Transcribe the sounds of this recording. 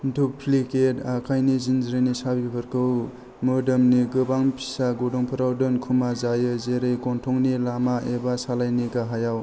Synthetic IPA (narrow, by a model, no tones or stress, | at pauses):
duk̚pʰliketakʰajnizinzɾɯnisabibʰɯɾkʰɯw | mɯdɯmniɡɯbaŋpʰi̥saɡodɔŋpʰɯɾawdɯnkʰumazajɯzeɾɯjɡɔntʰɔŋnilamaʔebasalajniɡaɦajaw